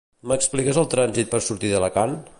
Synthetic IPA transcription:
məksplikəzəlˠt̪ɾanzit̪̚pəɾsuɾt̪iðələkan

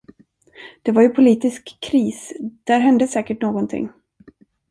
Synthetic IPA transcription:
d̪̥ɛvaɾjɵpʰʊliːt̪ɪskʰːɾiːsd̪̥æɾɦɛnd̪əsɛːkəʈnoːɡɔnt̪ʰɪ̰ŋː

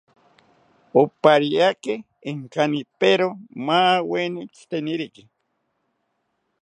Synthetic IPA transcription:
opaɾiakeh | iŋkanipeɾomawenit͡ɬt̪eniɾiki

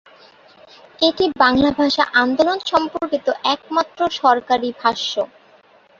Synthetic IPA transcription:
eʈibaŋlabʱaʃa̰ʔand̪olonʃɔmpoɾkit̪oʔɛk̚mat̪ːɾoʃɔɾkaɾibʱaʃːo

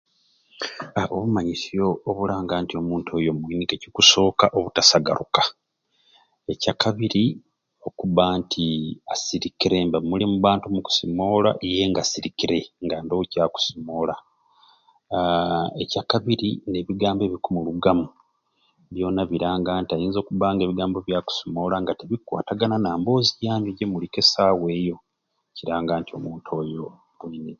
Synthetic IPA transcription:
aʔoβumaɲisio̞ːβulaːŋɡaːntio̞muːntʰojo̞mwiːnikecikuso̞ːkaʔo̞βutasaɡa̰ɾukḁ | e̞cakaβiɾi | o̞kuβaːntʰiasiɾikiɾe̞mbamulimuβaːntumuku̥simo̞ːla̰ʔije̞ːŋɡasiɾikiɾe̞ŋɡandocaku̥simo̞ːla | ḛcakaβiɾine̞βiɡaːmbe̞βikumuluɡamu | βjo̞ːnaβiɾaːŋɡaːntiajiːnzo̞ːkuβaːŋɡe̞ːβiɡaːmbo̞βjaku̥simo̞ːlaŋɡateβikwa̰ːtaɡananaːmbo̞ːziɟaːɲuɟemulike̞saːwe̞ːjo̞ | ciɾaːŋɡaːntio̞̰muːntʰo̞jo̞ | βwiːne

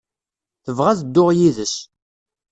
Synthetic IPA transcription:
θəvʁæzəd̪ːʊʁjiðəs

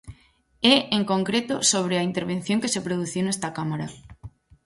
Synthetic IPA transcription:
ɛeŋkoŋkɾet̪osoβ̞ɾeaint̪eɾβenθjoŋkesepɾoð̞uθiownest̪akamaɾa

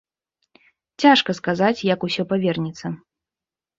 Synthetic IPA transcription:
t͡sʲaʂkɐskazat͡sʲjɐkusʲɔpavʲɛrnʲit̪sːɐ

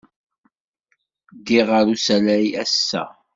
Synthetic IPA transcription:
d̪iʁəɾusælæjæsːæ̰

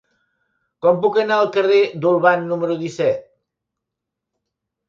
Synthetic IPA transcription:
kɔmpukənaəlˠkəred̪ulˠβanːuməɾuðisɛt̪̚

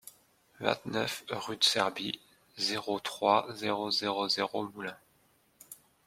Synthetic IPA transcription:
vɛ̰̃t̪nœ̰fʁyd̪sɛʁbi | zeʁot̪χwazeʁozeʁozeʁomulɛ̃

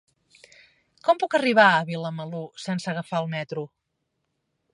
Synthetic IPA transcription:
kɔmpukəriβ̞aəβiləməlusɛnsəɣəfaəlˠmɛt̪ɾu

